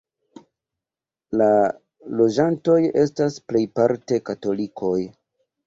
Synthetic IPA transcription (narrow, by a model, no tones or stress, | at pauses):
la | lo̞d͡ʒanto̞je̞stasple̞jpaɾte̞kato̞likʰo̞j